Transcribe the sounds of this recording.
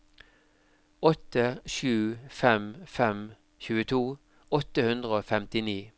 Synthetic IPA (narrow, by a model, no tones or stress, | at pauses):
ɔt̪əʃʉːfɛmfɛm | çʉːət̪ʰuː | ɔt̪ːəhʉnd̪ʁəoːfɛmt̪ɪniː